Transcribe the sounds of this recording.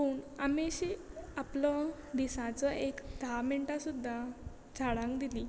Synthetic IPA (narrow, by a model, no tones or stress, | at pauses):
puːɳamiɕiːaplɔ | d̪isãt͡sɔʔekd̪ʱameɳʈasud̪ʱːa | d͡zʱaɽãŋkd̪ili